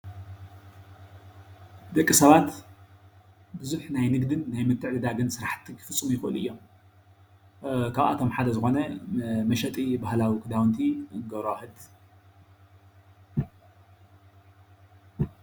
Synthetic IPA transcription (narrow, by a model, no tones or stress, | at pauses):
bd̪ɐkʼːisɐβat̪ | bɨzuħnajnɨɡd̪ɨnːajmɨt̪ʰːɨʕd̪ɨd̪aɡɨnsɨɾaħt̪ʰikʰɨ̥fɨt͡sʼːɨmujɪxɨʔɨ̰lʔɨ̰jːo̞m | kʰaβa̰t̪ʰo̞mħad̪ɐzɨxo̞nɐmɐʃɐt̪ʼibahlawikʰɨd̪awnt̪ʰiɨŋɡɐɾohɨd̪